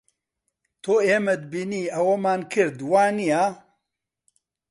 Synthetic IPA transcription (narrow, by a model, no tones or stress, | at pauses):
t̪ʰoeːmɛd̪̚biːniːɐwɐmaːnkʰɨɾd̪waːnijaː